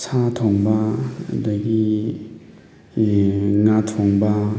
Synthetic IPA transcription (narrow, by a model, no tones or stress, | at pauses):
sʰatʰoŋbɐdɐɡi | ŋatʰoŋbɐ